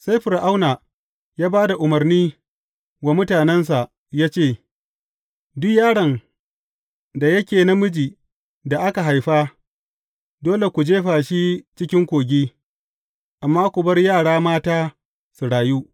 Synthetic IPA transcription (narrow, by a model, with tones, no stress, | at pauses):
sa˦jɸɪ˨rʔa˦wna˨ | jaː˦baː˦da˨ʔʊ˨mɐ˨rniː˦ | wa˨mʊ˦taː˨nɛ˦ns̬a˨ʔ | jaː˦t͡ʃeː˦˨ | dʊ˦kjaː˦ɽɐ˨n | da˨jɐ˦kʲeː˨na˦mʊ˦d͡ʒiː˨ | da˨ʔa˦ka˨ɦa˨jɸaː˦ | doː˦le˨kʷu˨d͡ʒeː˦ɸaː˨ʃi˦t͡ʃɪ˦kʲɪ˦ŋkʷoː˨ɡʲiː˦ | ʔa˨mːaː˦kʷʊ˨bɐ˦rjaː˦˨ɽaː˦maː˦taː˦ | su˨ɽaː˨juː˦